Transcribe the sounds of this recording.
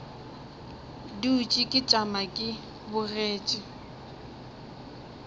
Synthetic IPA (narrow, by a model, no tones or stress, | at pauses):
diːt͡ʃʼikʼɪt͡ʃʼamakʼɪ | bʊreːt͡ʃʼɪ